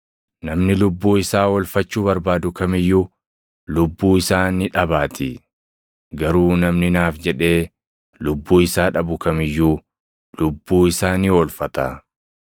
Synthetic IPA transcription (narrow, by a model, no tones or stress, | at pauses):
nɐmnɪlʊbːuːɪsaːwɔlfɐt͡ʃːuːbɐɾbaːd̪ʊkɐmɪjːuː | lʊbːuːɪsaːnɪᶑɐbaːt̪ʰɪ | ɡɐɾuːnɐmnɪnaːfd͡ʒɛᶑe̞ː | lʊbːuːɪsaːᶑɐbʊkɐmɪjːuː | lʊbːuːɪsaːniːwɔlfɐt̪ɐ